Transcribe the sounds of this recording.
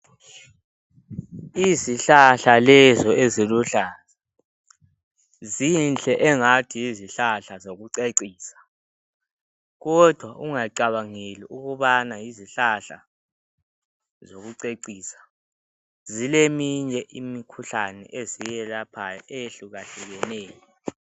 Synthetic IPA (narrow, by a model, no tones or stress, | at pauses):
iziɬaɬalɛzɔeziluɬaːla | zinɬʼɛʔɛŋatʰijiziɬaɬazoɣuǀeǀiːsḁ | ɣɔd̥ʱwaʔuŋaǀaβaŋeliʔuɣuβanajiziɬaɬa̰ | zoɣuǀeǀiːsḁ | zilemiɲɛʔimikʰuɬanɛ̰ʔezijɛlapʰajaʔejeɬuɣaɬɛɣɛnɛːjɔ